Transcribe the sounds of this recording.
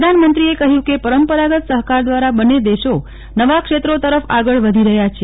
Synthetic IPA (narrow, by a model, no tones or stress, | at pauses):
d̪ʱanmənt̪ɾiekəɦjũkepəɾəmpəɾaɡət̪səɦkaɾd̪ʋaɾabəned̪eʃo | nəʋakʃet̪ɾot̪əɾəfaɡəɭʋəd̪ʱiɾəɦjat͡ʃʰe